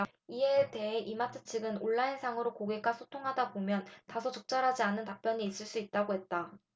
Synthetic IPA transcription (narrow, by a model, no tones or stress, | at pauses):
iete̞ɦeʔimatʰɯt͡ɕʰiɡɯnoɭːainsʰaŋɯɾokoɡek͈asʰotʰoŋɦadabomjʌntasʰʌt͡ɕok̚t͡ɕ͈aɾɦad͡ʑianːɯntap͈jʌɲiːs͈ɯɭs͈uit̚t͈aɡoɦe̞t̚t͈a